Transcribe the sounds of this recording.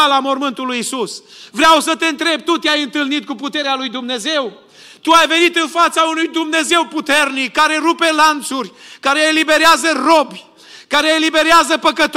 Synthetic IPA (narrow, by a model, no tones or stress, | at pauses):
alamo̞rmɨnt̪ulujisusvɾeawsət̪e̞nt̪ɾe̞b̚t̪ut̪eajɨnt̪ɨlnit̪̚kuput̪e̞ɾealujd̪umne̞ze̞w | t̪uajve̞nit̪ɨnfat̪saunujd̪umne̞ze̞wput̪e̞rnikːaɾe̞ɾupe̞lant̪surʲkaɾeːlibe̞ɾeazərobʲ | kaɾeːlibe̞ɾeazəpəkət̪